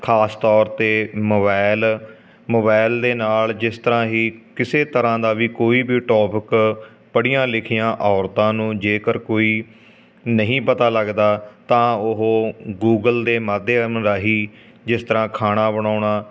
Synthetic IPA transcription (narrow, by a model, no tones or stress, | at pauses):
kʰaːst̪ɔːɾt̪eːmoːbaːɪl | moːbaːɪld̪eːnaːld͡ʒɪst̪əɾãːɦiːkɪseːt̪əɾãːd̪aːʋiːkoːiːbiːʈɔːpɪk | pəɽijãːlɪkʰijãːʔɔːɾt̪ãːnũːd͡ʒeːkəɾkoːiː | nəɦĩːpət̪aːləɡd̪aːt̪ãːʊɦoːɡuːɡəld̪eːməd̪eːəmɾaːɦiː | d͡ʒɪst̪əɾãːkʰaːɽaːbəɳ̃aːɳaː